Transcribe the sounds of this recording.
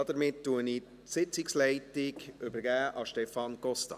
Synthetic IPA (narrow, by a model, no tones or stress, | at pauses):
ɑdəɾmɪtːuənɪ | sɪt͡sɪkslɛɪtɪkʏbəɾɡæːʔɑʃtɛfɑnɡ̥ɔst̪ɑ̰